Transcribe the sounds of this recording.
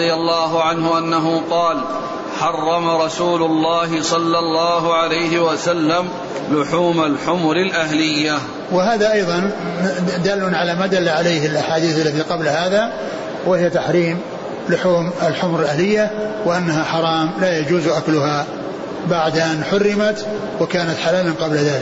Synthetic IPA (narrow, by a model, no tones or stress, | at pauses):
ɪjalːɑːɦʊʕanɦʊʔanːaɦʊqɑːl | ħɑrˤːɑmaɾˤɑsuːlʊlˤːɑːɦɪsˤɑlːɑlˤːɑːɦʊʕalajɦɪwasalːam | lʊħuːmalħʊmʊɾɪlʔahlɪjːa | wɪɦaːðaʔɑjðˤɑn | d̪aːlːʊnʕalamaːd̪alːaʕalejhɪlʔaħaːd̪iːθalːat̪iqɑblhaːða | wɪhɪjat̪aħɾiːm | lʊħuːmɪlħʊmɾɪlʔahlɪjːawɪʔanːaɦaħɑɾˤɑːmlaːjad͡ʒuːzʔaklʊha | baʕd̪ʔanħʊrːɪmat̪ | wɪkaːnat̪ħalaːlanqɑblaðaːlɪk